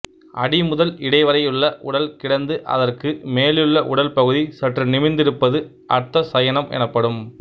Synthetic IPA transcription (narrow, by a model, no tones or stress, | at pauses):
ʔɐɽɪmʊðɐlɪɽɐɪʋɐɾɐjɯɭːɐʔʊɽɐlkɪɽɐnd̪ɯʔɐ̰ðɐrkɯmeːlɯɭːɐʔʊɽɐlpɐɣɯðisɐʈrɯnɪmɪnd̪ɪɾɯpːɐðɯ | ʔɐɾt̪ːɐsɐjɐnɐmʔɛ̰nɐpːɐɽɯm